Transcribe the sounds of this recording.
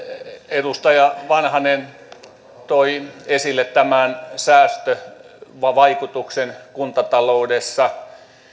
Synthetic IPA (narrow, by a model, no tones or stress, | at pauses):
edust̪ɑjɑʋɑnhɑnen | t̪oiesilːet̪t̪æmænsæːst̪ø | ʋɑʋɑikut̪uksenkunt̪ɑt̪ɑloudesːɑ